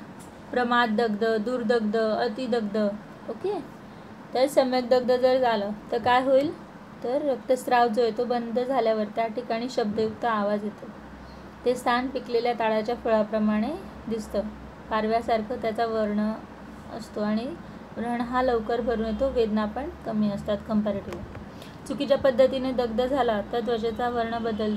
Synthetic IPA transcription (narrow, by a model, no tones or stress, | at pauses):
pɾəmat̪̚d̪əɡd̪əd̪uːɾd̪əɡd̪əət̪id̪əɡd̪ə | oke | t̪əɾsəmjəɡ̚d̪əɡ̚d̪əd͡zəɾd͡zaləːt̪əɾkajɦoil | t̪əɾːəkt̪əst̪ɾaʋd͡zojet̪obənd̪ʱəd͡zʱaljaʋəɾt̪jaʈʰikaɽ̃iːɕəb̚d̪əjuk̚t̪əːʋad͡zɦjet̪o | t̪est̪ʰanpikleljat̪aɭat͡ɕjafoɭapɾəmaɽ̃e | d̪ist̪əː | kaɾʋjasaɾkʰət̪jat͡saʋəɾɳə | ə̰st̪oaɽ̃i | ɾəɳ̃ɦaləʋkəɾbʱəɾuːnjet̪oʋed̪napəɳkəmiːəst̪at̪kəmpaɾiʈiʋ | t͡sukit͡ɕjapəd̪ʱːət̪ined̪əɡd̪əd͡zʱalat̪əɾd̪ʋəd͡ʑet͡saʋəɾɳəbəd̪əl